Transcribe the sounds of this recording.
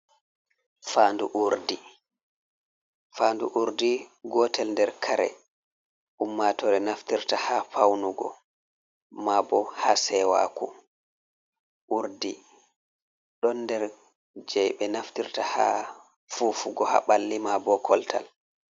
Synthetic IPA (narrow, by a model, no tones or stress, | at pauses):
faːnduʔuɾdi | faːnduʔuɾdiɡɔtɛlndɛɾkʰaɾɛ̰ | ʔumːatɔɾɛnaftiɾtahapʰawnuɡɔ̰ | mabɔhasɛwa̰ku | ʔuɾdi | ɗɔnːdɛɾ | d͡ʒɛjɓɛnaftiɾtaha̰ | fufuɡɔha̰ɓalːimabɔkʰɔltʰa̰l